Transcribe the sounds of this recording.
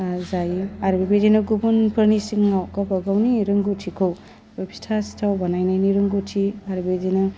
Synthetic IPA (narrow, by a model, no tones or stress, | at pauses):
zajiaɾbebedinɯɡubunpʰɯɾnisiŋːawkabaɡawniɾɯŋɡutʰikʰow | bapʰi̥tʰasi̥tʰawbanajnajniɾɯŋɡutʰiaɾbedinɯ